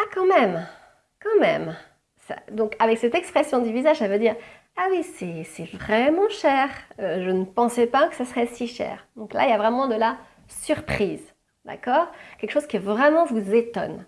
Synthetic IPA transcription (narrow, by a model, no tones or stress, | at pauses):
akɑ̃mɛm | kɑ̃mɛ̰m | sa̰d̪ɔ̃kavɛksɛt̪ɛkspχɛsjɔ̃d̪yvizaʒsavəd̪iːʁ | awisɛsɛvʁɛmɑ̃ʃɛʁøʒənəpɑ̃sɛpakə̥sasəʁɛsiʃɛ̰ːʁd̪ɔ̃kla̰iljavʁɛmɑ̃d̪əla | syʁpχiz | d̪a̰kɔːʁkʲɛlkəʃozkʲivʁɛmɑ̃vuzet̪ɔ̰n